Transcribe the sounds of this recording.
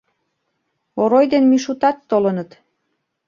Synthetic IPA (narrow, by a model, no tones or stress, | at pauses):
oɾojd̪enmiʃut̪ɑt̪ːolə̆nət̪